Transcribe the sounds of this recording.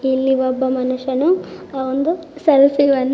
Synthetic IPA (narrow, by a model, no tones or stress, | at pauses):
ilːiʋɔbːɐmɐnuʂɐnuaːʋond̪usɐlsiʋɐnː